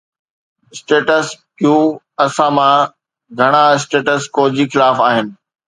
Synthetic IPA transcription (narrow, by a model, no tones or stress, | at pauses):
ɪsʈeːʈəskjuː | ɐsãmã | ɡʱɐɽ̃aɪs̬ʈeːʈəskoːd͡ʑixɪlaːfaːɦɪnɪ̆